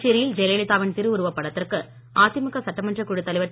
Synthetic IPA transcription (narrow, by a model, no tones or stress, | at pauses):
t͡ʃiɾɪjɪld͡ʒɛleɭɪt̪ːaːʋɐnt̪ɪɾɯʊɾɯʋɐpːɐɽɐt̪ːɪrkɯ | aːt̪ɪmɐkːɐsɐʈːɐmɐndrɐkuɽɯt̪ːɐlɪʋɐʈː